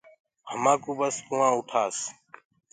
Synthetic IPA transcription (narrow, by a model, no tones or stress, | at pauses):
həmãːkuːbəskuːãːʊʈʰaːs